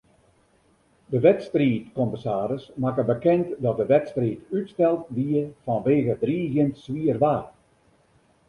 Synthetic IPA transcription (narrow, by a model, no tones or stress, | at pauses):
dəʋɛtstriːtkɔməsaːɾəsmakəbəkɛntdɔt̚dəʋɛtstriːtytstɛlˠt̚diəfɔnʋeːɣədriːɣjɪntsʋiərʋaː